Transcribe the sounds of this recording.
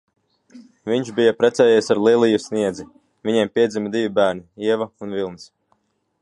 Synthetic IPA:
viɲʃbijapɾɛt̪sɛːjɛsaɾlˠiɛlˠijusniɛd̪zi | viɲempʲiɛd̪zʲimid̪ivʲibæːɾniiɛvaunvilˠnis

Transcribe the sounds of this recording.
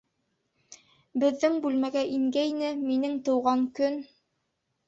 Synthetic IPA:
bɘ̆ðːɘŋbʉlmæɡæʔiŋɡæjnɘminɘŋt̪ɤ̆wʁɑŋkɵn

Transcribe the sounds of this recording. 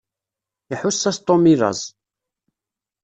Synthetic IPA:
iħusːæst̪ˤːomiðɑ̰zˤ

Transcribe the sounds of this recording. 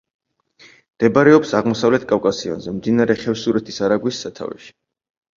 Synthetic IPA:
md̪̥ɛbaɾɛɔpsaʁmɔsavlɛt̪̚ʰkʼafkʼasiɔ̰nzɛmd̪inaɾɛχɛfsuɾɛt̪ʰisaɾaɡwisːat̪ʰa̰vɛ̰ʃi̥

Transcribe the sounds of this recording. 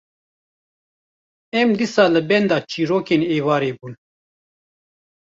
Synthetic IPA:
ɛmd̪isɑːlɨbɛnd̪ɑːt͡ʃiːɾoːkeːneːvɑːɾeːbuːn

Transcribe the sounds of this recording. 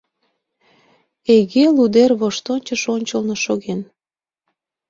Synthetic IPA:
eɣelud̪erβoʃt̪onʲt͡ɕəʃonʲt͡ɕəlnoʃoɣen

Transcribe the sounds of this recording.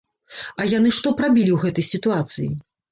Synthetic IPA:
ɐjan̪ɨʂt̪ɔpɾabʲilʲiwɣɛt̪ɐjsʲit̪uat̪sɨjḭ

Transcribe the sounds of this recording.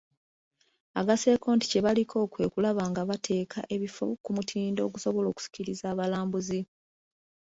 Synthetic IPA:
aɡase̞ːko̞ːnti̥ce̞βalikʰo̞ːkwe̞kulaβaŋɡaβatʰe̞ːkʰa̰ʔe̞βifo̰kumutʰiːndoːk̬uso̞βo̞lo̞ːku̥si̥ciɾizaːβalaːmbuzi

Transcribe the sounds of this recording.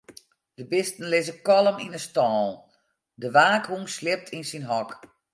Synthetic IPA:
d̥əbɪstən̩lɪzəkɔlˠəmḭnəstɔːlˠ | dəʋaːkhuŋslɪp̚tʰinsinɦɔk

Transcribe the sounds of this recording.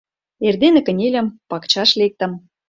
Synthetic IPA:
erd̪enĕkə̆nʲelʲə̆mpɑkt͡ɕɑʃlek̚t̪ə̆m

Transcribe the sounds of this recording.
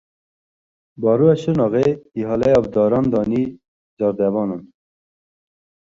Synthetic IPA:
bɑːɾuɛʃɨnɑɣeiɦɑːlɛjɑbd̪ɑːɾɑːnd̪ɑːni | d͡ʒɑɾd̪ɛvɑːnɑn

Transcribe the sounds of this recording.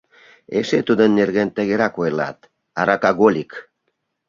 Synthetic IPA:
eʃet̪ud̪ənːerɣent̪ə̆ɣeɾɑkojlɑ̰t̪ | ɑɾɑkɑɣolʲik

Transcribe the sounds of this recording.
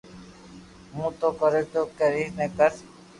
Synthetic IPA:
mũːt̪oːkəɾeʈoːkeːɾiːnẽːkəɾ

